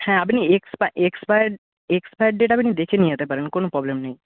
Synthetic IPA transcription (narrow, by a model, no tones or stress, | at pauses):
hɛ̃ɐpniekspaʔekspajɖ | ekspajʈ̚ɖeːʈaɐpnid̪ekʰenĩat̪epɐɾenkoːnopɾɔːblemnɐĩ